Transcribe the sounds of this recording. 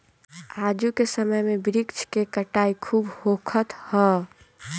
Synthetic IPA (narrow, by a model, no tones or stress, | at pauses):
ad͡ʒukesəməjmebɪɾikt͡ʃʰkekəʈaikʰuːbhokʰət̪hɔ